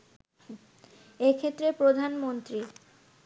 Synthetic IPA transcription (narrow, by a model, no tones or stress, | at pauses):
ekʰet̪ːɾepɾod̪ʱanmont̪ɾi